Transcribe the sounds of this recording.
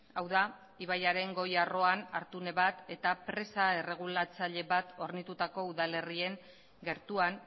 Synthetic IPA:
awða | iβajaɾe̞ŋɡo̞jaro̞anaɾt̪une̞βat̪e̞t̪apɾe̞sae̞re̞ɣ̞ulat͡saʎe̞βat̪o̞ɾnit̪ut̪ako̞uðale̞rie̞ŋ | ɡe̞ɾt̪uan

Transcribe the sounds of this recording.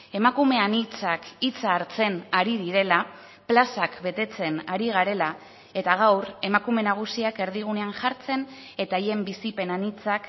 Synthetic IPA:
e̞makume̞anit͡sakit͡saːɾt͡se̞naɾiðiɾe̞la | plasakbe̞t̪e̞t͡se̞naɾiɣ̞aɾe̞la | e̞t̪aɣ̞awre̞makume̞naɣ̞usiake̞ɾðiɣ̞une̞anʝaɾt͡se̞n | e̞t̪aje̞mbisipe̞nanit͡sak

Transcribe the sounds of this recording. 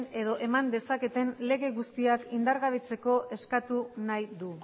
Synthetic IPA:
ne̞ðo̞ʔe̞mand̪e̞sake̞t̪e̞nle̞ɣe̞ɣust̪iakind̪aɾɣaβit͡se̞ko̞ʔe̞skat̪unajðu

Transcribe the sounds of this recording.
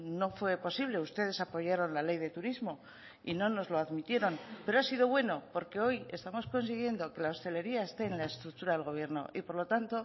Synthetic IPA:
no̞fwe̞po̞siβ̞le̞ust̪e̞ðe̞sapo̞ʝaɾo̞nlale̞jðe̞t̪uɾizmo̞ | ḭno̞no̞zlo̞aðmit̪jeɾo̞npeɾo̞asiðo̞βwe̞no̞po̞ɾke̞o̞je̞st̪amo̞sko̞nsiɣ̞je̞nd̪o̞ke̞lao̞st̪e̞le̞ɾiae̞st̪eːnlae̞st̪ɾuk̚t̪uɾaðelɣ̞o̞β̞je̞ɾno̞̰ʔipo̞ɾlo̞t̪ant̪o̞

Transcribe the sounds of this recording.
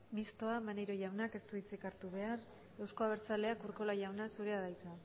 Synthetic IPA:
mist̪o̞amanejɾo̞ʝawnake̞st̪uit͡sikaɾt̪uβe̞ar | e̞wsko̞aβ̞e̞ɾt͡sale̞akuɾko̞laʝawnasuɾe̞aðajt͡sa

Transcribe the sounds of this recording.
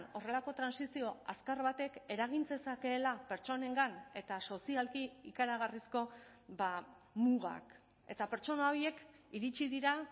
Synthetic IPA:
no̞re̞lako̞t̪ɾansisio̞askaɾβat̪e̞ke̞ɾaɣ̞int͡se̞sake̞ːlape̞ɾt͡ʃo̞ne̞ŋɡane̞t̪aso̞sialkiikaɾaɣ̞arisko̞ | ba | muɣa̰k | e̞t̪ape̞ɾt͡ʃo̞nao̞je̞k | iɾit͡ʃiðiɾa

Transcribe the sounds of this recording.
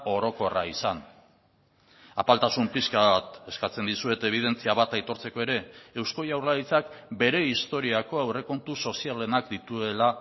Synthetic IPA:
o̞ɾo̞ko̞raisan | a̰palt̪asumpiskaβat̪e̞skat͡se̞nd̪isue̞t̪e̞β̞ið̞e̞nt͡siaβat̪ajt̪o̞ɾt͡se̞ko̞e̞ɾe̞ːwsko̞jawrlaðit͡sakbe̞ɾe̞ist̪o̞ɾiako̞awre̞ko̞nt̪uso̞siale̞nakd̪it̪ue̞la

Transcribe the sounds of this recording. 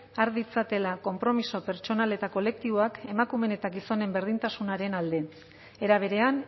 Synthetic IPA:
aɾðit͡sat̪e̞lako̞mpɾo̞miso̞pe̞ɾt͡ʃo̞nale̞t̪ako̞le̞k̚t̪iβoake̞makume̞ne̞t̪aɡiso̞ne̞mbe̞ɾð̞int̪asunaɾe̞nald̪e̞ | e̞ɾaβ̞e̞ɾe̞an

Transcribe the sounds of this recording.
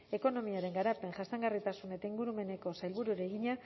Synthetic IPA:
e̞ko̞no̞miaɾe̞ŋɡaɾape̞ŋʝast̪aŋɡarit̪asune̞t̪aiŋɡuɾume̞ne̞ko̞sajlβuɾuɾeɣiɲa

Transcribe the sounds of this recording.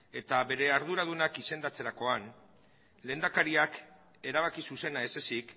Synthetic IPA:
e̞t̪aβe̞ɾe̞aɾð̞uɾað̞unakise̞nd̪at͡se̞ɾako̞an | le̞ːnd̪akaɾiak | e̞ɾaβ̞akisuse̞nae̞se̞sik

